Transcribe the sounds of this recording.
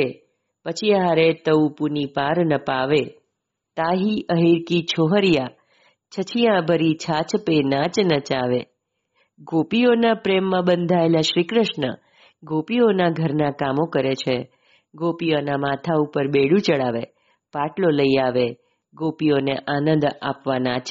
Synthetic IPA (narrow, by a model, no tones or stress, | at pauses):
e | pət͡ʃʰiaɾet̪əupunipaɾnəpaʋe | t̪aɦiʔəɦiɾkit͡ʃʰoɦəɾija | t͡ʃʰət͡ʃʰijãbʱəɾit͡ʃʰat͡ʃpenat͡ʃnət͡ʃaʋe | ɡopionapɾemːãbənd̪ʱaelaʃɾikɾəʃnə̰ | ɡopionaɡʱəɾnakamokəɾet͡ʃʰe | ɡopijonamat̪ʰaupəɾbeɽũt͡ʃəɭaʋḛ | paʈloləiaʋe | ɡopioneʔanə̃nd̪a̰pʋanat͡ʃ